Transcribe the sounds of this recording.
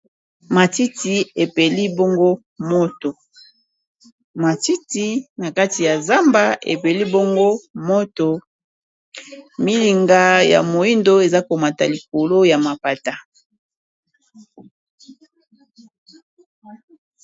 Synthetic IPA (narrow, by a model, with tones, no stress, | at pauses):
ma˨ti˦ti˨e˨pe˨li˦bo˦ŋɡo˦ | mo˦to˨ | ma˨ti˦ti˦na˨ka˦ti˨ja˨za˦mba˦ḛ˨pe˨li˦bo˦ŋɡo˦mo˦to˨ | mi˦li˨ŋɡa˦ja̰˨mo˨i˦ndo˦e˨za˦ko˨ma˨ta̰˨li˨ko˨lo˦ja˨ma˨pa˨ta˨